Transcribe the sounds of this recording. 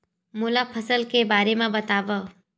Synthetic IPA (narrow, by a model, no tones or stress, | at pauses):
mʊlapʰəsəlkebaːɾemãbət̪aːʋə